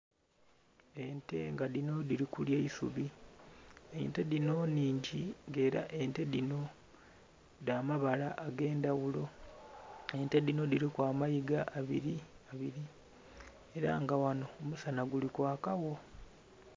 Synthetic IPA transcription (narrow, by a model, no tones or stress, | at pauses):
e̞nte̞̰ŋɡaðino̞diɾikuljeisṵβi | ente̞ðino̞niːɲɟiŋɡe̞ːɾa̰ʔe̞nte̞dino̞ | daːmaβalaʔːɡe̞ːndawulo̞ | e̞nte̞dino̞diɾikwaːmajiɡaʔːβiɾiaβiɾi | e̞ɾa̰ŋɡawano̞ːmusanaɡulikwaːkawo̞